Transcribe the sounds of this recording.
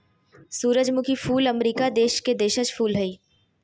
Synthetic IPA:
suːɾəd͡ʒmʊkʰifʰuːləmɾiːkad̪eːʃked̪eːʃət͡ʃfʰuːlɦɐiː

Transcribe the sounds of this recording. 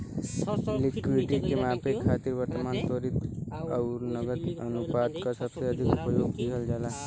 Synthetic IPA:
lɪkɪɖʈikemaːpekʰːaːt̪iɾʋəɾt̪əmaːnsoːɾɪt̪ɔʊɾnəɡət̪ənupaːd̪kasəbseəd̪ʱikʊpəjoːɡbiɦəld͡ʒaːlaː

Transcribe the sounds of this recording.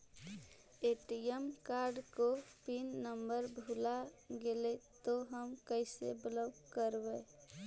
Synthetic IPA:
eʈiemkaːɾɖkopinːəmbəɾbʱulaɡelet̪oɦəmkəɪsḛbləbkəɾbe

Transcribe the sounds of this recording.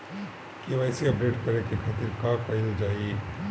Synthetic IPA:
kiʋɛːsiɐp̚ɖeːʈkɐɾekekʰaːt̪ɪɾkakɐɪld͡ʒaːie

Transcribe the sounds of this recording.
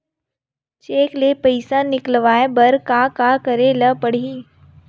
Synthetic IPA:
t͡ʃeːklepəɪsãnɪklʋaːebɐɾkaːkakəɾeləpəɽ̤iː

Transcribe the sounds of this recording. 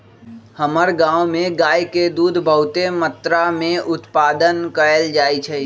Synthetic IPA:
həməɾɡãːʋmẽɡaːjked̪uːd̪ʱbʱəʊt̪emət̪ɾamẽʔʊt̪paːd̪ənkəəld͡ʒaːit͡ʃʰɛ

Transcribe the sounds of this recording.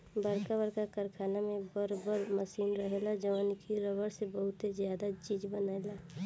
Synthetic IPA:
bəɾkabəɾkakəɾkʰaːnamẽbəɾbəɾməsiːnɾəɦelad͡ʒəʋankʰiɾəbəɽsebəɦʊt̪ezjaːd̪at͡ʃiːd͡ʒbənaːela

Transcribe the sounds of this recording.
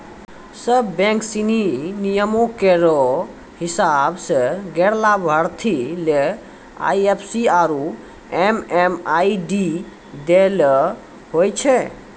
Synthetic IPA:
səbːɛ̃ŋksininijəmokeɾɔ | hisabseɡeɾlabʱəɾt̪ʰile | a̰jepʰsiaɾu | ememaiɖi | d̪el | ɦojt͡ʃʰɛ

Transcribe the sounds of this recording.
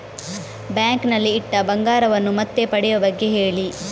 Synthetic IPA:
bjaːŋknɐlːiːʈːɐbɐŋɡaːɾɐʋɐnːumɐt̪ːe̞pɐɽɛjɐbɐɡːe̞ɦe̞ːɭi

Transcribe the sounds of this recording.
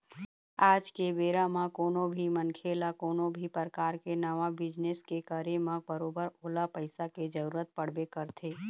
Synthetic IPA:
aːd͡ʒkebeːɾamãkoːnõbʱimənkʰeːlakoːnõbʱipəɾkaːɾkenəʋabɪd͡ʒneskekaːɾemãbəɾoːbəɾoːlapəɪsaked͡ʒəɾuːɾət̪̚pəɽ̤bekəɾt̪ʰeː

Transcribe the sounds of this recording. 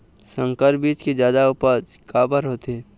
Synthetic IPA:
sə̃ŋkəɾbiːt͡ʃked͡ʒjaːd̪aʊpəd͡ʒkaːbəɾɦoːt̪eː

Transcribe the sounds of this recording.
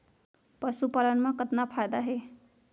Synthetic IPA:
pəsupalənmãkət̪napʰajd̪aɦe

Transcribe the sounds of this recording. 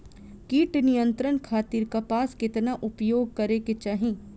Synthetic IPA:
kiːʈnijə̃nt̪ɾənkʰaːt̪iːɾkapaːskɪt̪naʔʊpjoːɡ̚kɐɾeket͡ʃaːɦẽː

